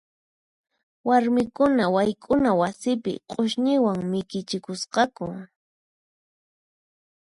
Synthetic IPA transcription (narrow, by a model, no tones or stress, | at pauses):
waɾmɪkʊnawajkʼʊnawasɪpɪ̰qʼoʃɲɪwaŋmɪkɪt͡ʃɪkʊsqɑkʊ